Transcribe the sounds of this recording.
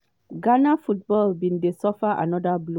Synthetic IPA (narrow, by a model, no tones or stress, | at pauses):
ɡanafut̚bɔlbĩndesɔfaʔa̰nɔdablo